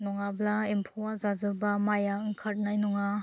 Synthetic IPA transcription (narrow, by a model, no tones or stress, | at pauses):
nɔŋablaimpʰowazazɯbamajaɯŋkʰat̚najnɔŋa